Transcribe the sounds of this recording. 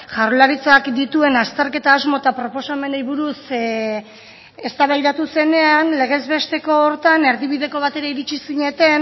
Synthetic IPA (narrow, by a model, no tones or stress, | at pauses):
ʝarolaɾit͡sakd̪it̪ue̞nast̪e̞ɾke̞t̪aːzmo̞t̪apɾo̞po̞same̞nejβuɾus | e̞st̪aβajðat̪use̞ne̞anle̞ɣ̞e̞zβe̞st̪e̞ko̞ːɾt̪ane̞ɾðiβiðe̞ko̞β̞at̪e̞ɾaiɾit͡ʃisiɲe̞t̪e̞n